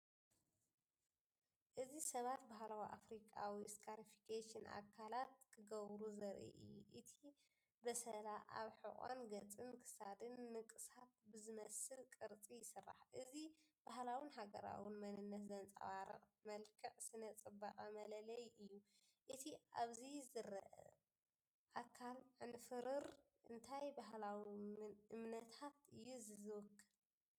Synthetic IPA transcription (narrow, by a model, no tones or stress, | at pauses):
ʔɨzisɐβat̪baɦlawiʔafɾikʼawiskʰaɾifi̥kʰaʃinʔa̰kʰːalat̪̚kʰɨɡɐβɾuzɐɾʔḭʔɨ̰jːuʔɨt̪ʰi | bɐsɐlaʔa̰βħɨχʼa̰nɡɐt͡sʼɨnkʰɨ̥sad̪ɨnːɨkʼɨsat̪̚bɨzɨmɐsɨlkʼɨɾt͡sʼijɪsɨrːa̰ħʔɨzib̥aɦlawinɦaɡɐɾa̰wɪnmɐnɨnːɐt̪zɐnt͡sʼɐ̰waɾɐ̰χʼmɐlkʰɨʕsɨnɐt͡sʼɨbaqʼamɐlɐlɐjʔɨjːu | ʔɨt̪ʰiʔaβzizɨɾɐʔɐ̰ | ʔakʰalʕɨnfɨɾɨɾ | ʔɨ̰nt̪ʰajbaɦlawiʔɨmnɐt̪ʰat̪ɨjːuzɨzɨwɨkʰːɨl